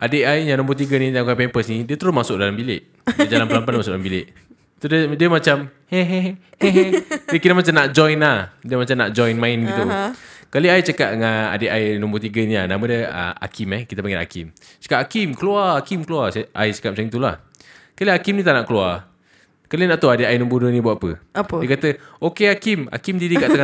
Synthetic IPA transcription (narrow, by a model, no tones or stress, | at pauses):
ʔadeʔajɲanɔ̃mbət̪iɡanitakapɛmpəsnidiət̪əɾʊsmasʊʔ̚dalambileʔ | dd͡ʒalampəlampanamasʊk̚ʔdalambilɪʔ | t̪uddiəmat͡ʃamhɛɦ | hɛɦəkiɾamat͡ʃamnaʔd͡ʒɔjnahdiəmat͡ʃamnaʔd͡ʒɔjnmãɪnɡit̪ukaliajt͡ʃakaʔ̪̚ŋana̰deʔajnɔ̃mbət̪iɡəniahnamadəə̰a̰kʰimɛhkit̪əpaŋɪt̪a̰kḭm | t͡ʃə̥kaʔakimkəluaakimkəluasaa̰jt͡ʃə̥kat̪̚mat͡ʃamit̪ula̰h | kaliakimnĩt̪aʔnaʔkəlua | kalənaʔt̪uadeʔajnɔ̃mbədənĩbuaapəaədiəkat̪əokeakima̰kimdidikaʔt̪aŋa